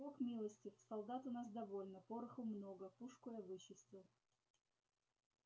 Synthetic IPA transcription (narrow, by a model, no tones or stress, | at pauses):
okmʲilˠəsʲtʲɪsɐlˠd̪at̪ʊnas̬d̪ɐvo̞lʲnəpoɾɨxʊmnoɡəpuʂkojəvɨɕːɪsʲt̪və